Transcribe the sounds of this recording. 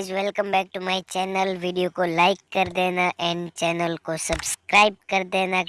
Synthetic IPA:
d͡ʒʋɛlkə̃mbɛːk̚ʈumaːit͡ʃɛːnəlʋiɖijokolaːɪkːɐɾd̪eːnaʔɛ̃ːnt͡ʃɛːnəlkosɐbskɾaːɪb̚kɐɾd̪eːna

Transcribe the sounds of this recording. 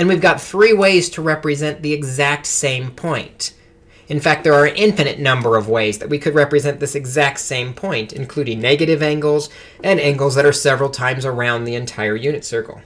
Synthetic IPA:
ɨ̃nwivɡɑt̪̚θɹiweɪz̥tʰəɹɛpɹɨzɛ̃nðiɨɡzæk̚tsẽɪ̃mpʰɔ̃ɪ̃nt | ɨ̃nfæk̚t̪̚ðə˞ːɨ̃nʔɪ̃ɱfɨnɨʔⁿnʌ̃mbə˞ʌvweɪzðɨt̚wikʰɨd̚ɹɛpɹɨzɛ̃nðɪsɨɡzæk̚tsẽɪ̃mpʰɔ̃ɪ̃ntɨ̃nkʰl̥ʉɾɪ̃ŋnɛɡɨɾɨvæ̃ŋɡl̩ˠz | ɨ̃næ̃ŋɡl̩ˠzðɨɾə˞sɛvɹl̩ˠtʰãɪ̃mzə˞ãʊ̃nðiɨ̃ntʰaɪə˞jʉnɨtsɜ˞kl̩ˠ

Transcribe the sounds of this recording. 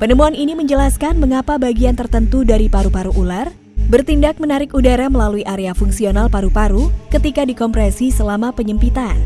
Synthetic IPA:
pənəmuaniniməɲd͡ʒəlaskanməŋapabaɡiant̪ərt̪ənt̪udaɾipaɾupaɾuʔular | bərt̪indak̚mənaɾɪkudaɾaməlaluiʔaɾeafuŋsionalpaɾupaɾukət̪ikadikɔmpɾɛsisəlamapəɲəmpit̪an

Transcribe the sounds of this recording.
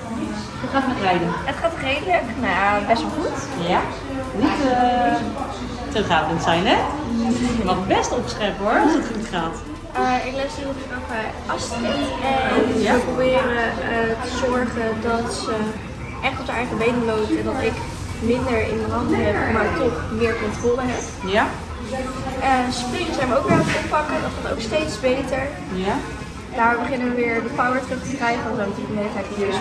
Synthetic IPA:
əχaːtmɛtrɛjdənətχaːtrejdələknajbɛstʋɔlˠχut | ja | nit | təχaːdəntsɛjnɛ | əmatəbɛstəɔpsχɛɹpəɔɹɑsətχutχaːt | ɪklasiɔpəfraχa | ɑstiɛjaəprowbɪːrətəzɔɹχəndɑtsə | ʔɛχtɔpsəɛəəmejdəlowdəχəndɑtɪk | mɪndəɹɪ̰ndəɦɑndəɦɛpmaːɹtɔχmɪːɹkɔntroːləɦɛp̚ | əspriməsɛjnʋəoʊk̚ʋɛatɔpɑkədɔtɔto̰wkstejtsbejtəɹ | d̥aːɹrbəχɪnəʋəʋɪːɹdəfawəɹtrək̚təkrɛjχənɔdɔːɹmɔtɪkdəmɛntɛjtəøs

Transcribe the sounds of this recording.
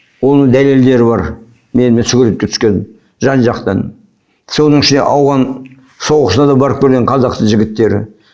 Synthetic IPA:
wo̞nəɴd̪æle̞ld̪e̞ɾɪbɑɾ | me̞nmensʏɡʲɪlet̪̚kʲet̪ʰʏ̥skʲe̞n | ʒɑnʒɑqt̪ɑn | so̞nəɴɪʃɪnd̪ḛʔɑwʁɑn | sowqə̥sənɑd̪ɑbɑɾəp̚kʲʰeɾɡʲeqʰɑzɑq̚t̪əʒɪɡʲɪt̪ːe̞ɾɪ̰

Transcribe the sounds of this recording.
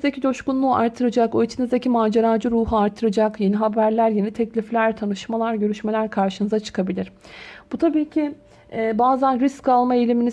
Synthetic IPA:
zd̪ecʰid̪oʃkunlˠuːa̰ɾt̪ʰːɯɾɯd͡ʒakoit͡ʃʰinizd̪ecʰimaːd͡ʒaɾaːd͡ʒɯɾuːɦuaɾt̪ʰːɯɾɯd͡ʒakje̞niɦabæɾlʲæɾje̞nit̪ʰɛclʲiflʲæɾt̪ʰanɯʃmalˠaɾɟø̞ɾyʃme̞lʲæɾkʰaɾʃɯnɯzat͡ʃʰɯ̥kʰabilʲiɾ̥b̥ut̪ʰabiːcʰɪ | baːzænɾisckʰːalˠmaelʲimini

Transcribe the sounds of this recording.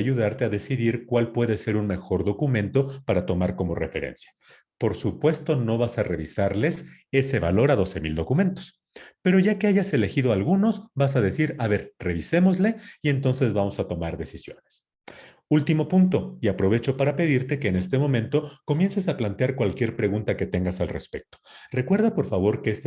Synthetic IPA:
aʝuð̞aɾt̪e̞aðe̞siðiɾkwalpwe̞ðe̞se̞ɾunme̞xo̞ɾðo̞kumẽ̞nt̪o̞paɾat̪o̞maɾko̞mo̞̰refe̞ɾḛnsjḁ | po̞ɾsupwe̞st̪o̞no̞βasare̞̰β̞isaɾle̞se̞se̞βa̰lo̞ɾaðo̞se̞mild̪o̞kume̞nt̪o̞̥s | pe̞ɾo̞ʝake̞aʝase̞le̞xiðoalɣuno̞zbas̬aðe̞siɾaβe̞ɾre̞β̞ise̞mo̞zle̞ie̞nt̪o̞nse̞zβamo̞sat̪o̞maɾðe̞sisjo̞̰ne̞̥s | ult̪imo̞punt̪o̞iapɾo̞βe̞t͡ʃo̞paɾape̞ð̞iɾt̪e̞ke̞ːne̞st̪e̞mõ̞mẽ̞nt̪o̞ko̞mje̞nse̞saplant̪jaɾkwalkje̞ɾpɾe̞ɣunt̪ake̞t̪e̞ŋɡasalre̞̰spe̞k̚t̪ore̞kwe̞ɾð̞apo̞ɾfaβ̞o̞ɾke̞est̪

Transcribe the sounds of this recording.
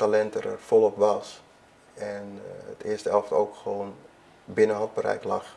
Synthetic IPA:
talɛntərə̰rfolˠɔpʋɑs | ɛnə̰tʰɪəstəɛlˠfto̰ːkxəʋoːn | bɪnəɦɑt̚bərɛ̰jklɑx

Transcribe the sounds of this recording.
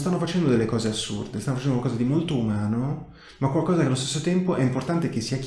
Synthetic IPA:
st̪anːofat͡ʃɛnd̪od̪elːekɔːzeasːṵrd̪est̪anoft͡ʃɛnd̪okwalkɔːzad̪imolt̪oumaːno | makwalkɔːzakealːost̪esːot̪ɛmpoʔɛimport̪ant̪ek̟esːiak

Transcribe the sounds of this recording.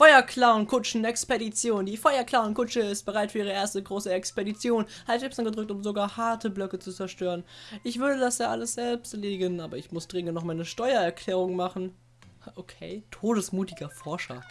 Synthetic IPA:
fɔʏɐkʰl̥aʊnkʰʊt͡ʃn̩ɛkspedit͡sjoːndiːfɔʏɐklaʊnkʰʊt͡ʃəɪst̚b̥əʁaɪtfyːɐiːʁəʔeːɐstəɡʁoːsəɛkspedit͡sjoːnhḁɛpsanɡədʁʏktʊmzoɡaːɐhaɐtʰəblœkət͡sut͡sɛɐʃtøːʁənʔɪçv̥ʏɐdədasjaːʔaləsz̥ɛlpstleːdɪɡənʔaːbɐɪçmʊsd̥ʁɪŋəntnɔχmaɪnəʃtɔʏɐɛɐkʰlɛːʁ̞ʊŋmaχn̩ | ʔokʰeːtʰoːdəsmuːtɪɡɐfɔɐʃɐ̰

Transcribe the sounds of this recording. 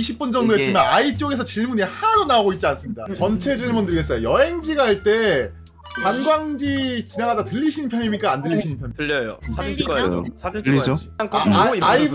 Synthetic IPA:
iɕʰip̚p͈und͡ʑʌŋdoet͡ɕ͈imanait͡ɕ͈oɡe̞sʰʌt͡ɕiɭmunehaɾonaoɡoit̚t͡ɕ͈ians͈ɯmɲida̰t͡ɕʌnt͡ɕʰe̞d͡ʑiɭmundɯɾiɡes͈ʌjojʌɦe̞ŋd͡ʑiɡaɦaɭt͈e̞ | kanɡwaŋd͡ʑit͡ɕineŋɦadatɯʎːiɕʰinɯnpʰjʌɲimik͈aːndɯʎːiɕʰinɯnpʰjʌɲɯjo̰ | io | ai

